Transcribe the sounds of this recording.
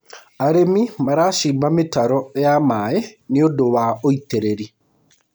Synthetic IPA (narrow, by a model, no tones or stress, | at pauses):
aɾemimaɾaːʃiːmbametaɾɔejamaeneodowaoiteɾeɾi